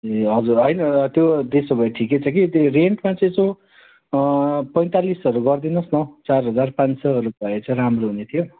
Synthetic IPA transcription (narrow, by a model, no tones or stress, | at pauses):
eɦʌd͡zurɦʌjnʌt̪jod̪esʌbʱʌeʈʰiket͡sʰʌkireɳʈmat͡sʌ̃sõ | pʌj̃t̪alisʌɾuɡʌrd̪inʌsnʌwt͡sarɦʌd͡zarpãnsʌɦʌɾubʌet͡sʌĩɾamroɦunet̪ʰijo